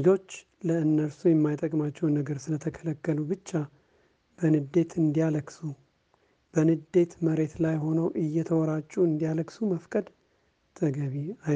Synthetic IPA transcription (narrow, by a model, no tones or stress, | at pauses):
d͡ʒo̞t͡ʃː | ləɨnːəɾsujɛmːajt̪ʼəkʼmat͡ʃːɛwnəɡəɾsɨlət̪ʰəkʰələkːəlubɨt͡ʃːa | b̥ənɨd̪e̞t̪ʰɨnd̪ijaləksu | b̥ənɨd̪e̞t̪məɾe̞t̪lajɦo̞nəwʔɨjːɛt̪ʰəwɔɾat͡ʃʼːuɨnd̪ijaləkʼsuməfkʼəd̪ | t̪ʰəɡəβiaj